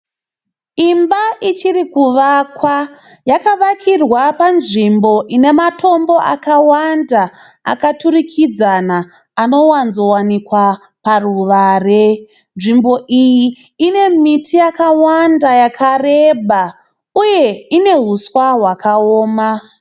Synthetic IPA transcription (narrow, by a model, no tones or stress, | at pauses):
imbaʔit͡ʃirikuʋakwa | jakaʋakʰirwapanʐimbo̞ʔine̞matʰo̞mbo̞a̰kawandaa̰katurikʰid͡zanaː | no̞wanzo̞wanikwa | paruʋaːre̞ | nʐimbo̞ʔijiː | ne̞mitʰijakawandajakʰareɓa | uje̞ine̞ɦuswaɦwakaoːma